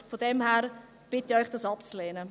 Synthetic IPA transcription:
fodɛmhɛːɾ | b̥ɪtiɔʏχd̥ɑːsɑpt͡sleːnə

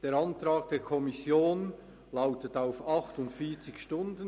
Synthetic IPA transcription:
d̥eːɾɑntɾaːɡ̥̚d̥eːɐkʰɔmisjoːn | laʊtətaʊfɑχtʊntfiːɐt͡sɪçʃtʊndən

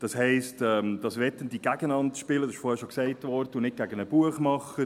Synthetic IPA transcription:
d̥ɑshɛɪstɛmd̥ɑsʋɛtəndiɡæɡənɑndʃpɪlədɑsɪʃfɔːhɛʃoksɛɪtʋɔrdəʊnɪt̚ɡ̥æɡənəb̥uəχmɑχə

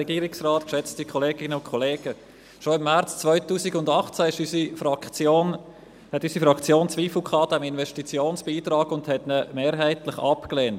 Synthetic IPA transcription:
ɛɡiːɾɪksraːtkʃɛt͡stikʰɔleːɡɪnəʊnkʰɔleːɡ̥ə | ʃoɪmːæɾt͡st͡svœʏtuːsɪɡʊndɑχt͡sæɪʃysifɑoːn | hɛtysifɾɑkt͡sjoːnt͡svʋiːfl̩kʰɑːd̥ɛmɪnvɛʃtit͡sjoːnsb̥iːtɾɑːɡʊndhɛtnəmeːɾɦæɪtlɪχɑpkleːnt

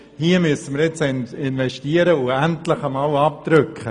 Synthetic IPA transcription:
hiəmyəsəməɾjɪt͡sɪnɪnvɛʃtiːəɾəʊæntlɪχəmɑːwɑp̚tɾʏkχə

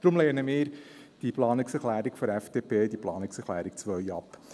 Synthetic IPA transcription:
d̥̪ɾʊmleːnəmɪːɾ | d̥iplɑːnɪksɛɾχlæːɾikfɔɾɛfd̥eːpʰeːdiplɑːnɪksɛχlæːɾik̚t͡sʋœʏjɑp

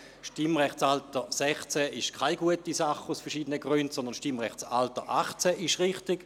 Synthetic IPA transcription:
ʃtimʁɛχtsaltəsɛχt͡sɛɪʃkʰaɪɡuətisaχusfɛɐʁʃiːdənəɡʁyntsɔnd̪ənʃtimʁɛχt͡saltəʔaχt͡sɛʔɪʃʁɪχtiɡ̥

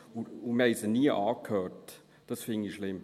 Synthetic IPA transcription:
umɛisəniəʔɑːkʰhøːt | d̥ɑsfɪŋiʃlɪm

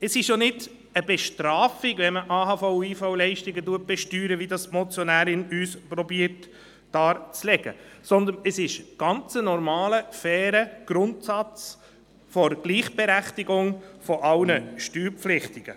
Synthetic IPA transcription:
ɛsɪʃjonɪd | əbɛʃtɾɑːfɪɡʋɛnməʔɑːɦɑːfɔʊiːfɔʊlɛɪʃtɪɡətuət̚b̥ɛʃtyːɾəʋidɑsmɔt͡sjɔnæːɾɪnyːspɾɔbiːət | d̥ɑːɾt͡slɛɡ̥ə̰sɔnd̪ənɛsɪʃɡ̥ɑnt͡sənɔɾmɑːləfɛːɾəɡ̥ɾʊntsɑt͡s | fɔɾɡ̥liːχb̥ɛɾæχtiɡʊŋfɔʔɑlnəʃtyːɾpflɪχtɪɡ̥ə

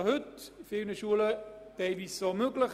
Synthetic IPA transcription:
hʏtfɪnəʃuələd̥ɛɪlviːsomøɡləχ

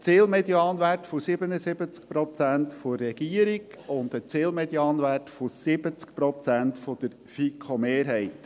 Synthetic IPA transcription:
t͡sɪːlmɛd̪jɑːnʋætfosɪbənəsɪbət͡sk̚pɾɔt͡sænt̪forɛɡ̥iəɾiɡ | ʊnd̪ət͡sɪːlmɛd̪jɑːnʋætfosɪbət͡sk̚pɾɔt͡sæntfod̥̪əɾ | fikʰχomeːɾɦɛɪt̪

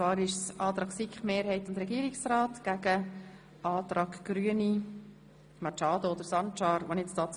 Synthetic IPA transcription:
ɑːɾɪʃsɑːt̪ɾɑːksikχmeːɾhɛɪtʊntɾɛɡiːɾɪksrɑːtɡ̥æɡə | ʔɑːt̪ɾɑːkɡ̥ɾyːəni | mɑt͡ʃɑːd̪ood̪əɾsɑnt͡ʃɑːɾʋonɪt͡stɑːt͡s

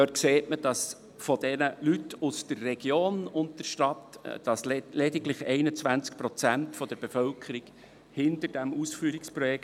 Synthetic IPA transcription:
døːt̚kseːtməd̥ɑs | fɔdɛnəlytʰusd̥ərːɛɡ̥joːnʊntəɾʃtɑtd̥ɑslɛdɪɡlɪχɛɪnət͡svænt͡sk̚pɾɔt͡sæntfɔd̪əɾb̥efœlkʰəɾiɡ̥ | hɪntəɾd̥æmusfyːɾikspɾɔjɛk

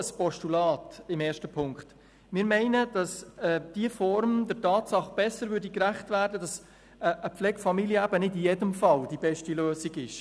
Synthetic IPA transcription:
əspɔʃtulɑːtɪmeːɾʃtəpʰʊŋkχt | mɪːɾmɛɪnəd̥ɑsɛd̥iəfɔɾmd̥ətɑːtsɑχb̥ɛsəɾvʏɾdikɾæχtvæːɾdədɑs | əʔəpflɛɡfɑmiliəæbənɪdijɛdəmfɑld̥ibɛʃtiløːsiɡɪʃ

